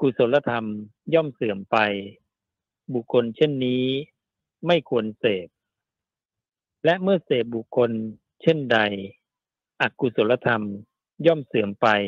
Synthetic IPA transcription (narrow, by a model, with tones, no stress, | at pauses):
ku˨˧˩so˩˦la˧t̪ʰa˧mjɔː˥˩msɯː˩˦mpa˧j | bu˨˩kʰːo˧nt͡ɕʰe˥˩˨nːiː˦˥ | ma˥˩jkʰu˧ənseː˨˩p̚ | lɛ˦˥ʔmɯ˥˩ɐseː˨˩p̚bu˨˩kʰːo˧n | t͡ɕʰe˥˩nda˧j | ʔa˨˩ku˧˩so˩˦nla˧t̪ʰa˧m | jɔː˥˩msɯː˨˩˦əmpa˧j